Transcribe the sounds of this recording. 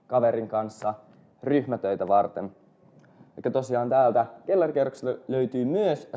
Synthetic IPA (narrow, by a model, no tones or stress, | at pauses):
kɑʋeɾiŋkɑnsːɑ | ryçmæt̪øit̪æʋɑrt̪en | ɑkːɑt̪o̞siɑːnt̪æːlt̪ækelːɑrkerːokse̥løyt̪yːmyøs